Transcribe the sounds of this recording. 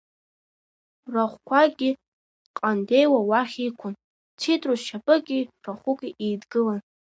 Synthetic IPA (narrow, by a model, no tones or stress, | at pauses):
raχʷkʷʰaɡʲi | qʼande̞jwawaχʲikʷʰʊn | t͡sʰitʼruʃapʼɨɡʲʼiraχʷukʲʼiʔejdɡɨlan